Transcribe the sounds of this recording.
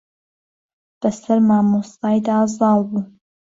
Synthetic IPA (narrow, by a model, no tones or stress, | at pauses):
b̥ɐsɐɾmaːmusɑːjd̪aːzɑːlˠbuː